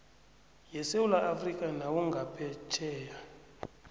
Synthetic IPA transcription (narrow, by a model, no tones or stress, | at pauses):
jɛsewulaʔafrikʼanawuŋɡʱapʰɛt͡ʃʰɛːja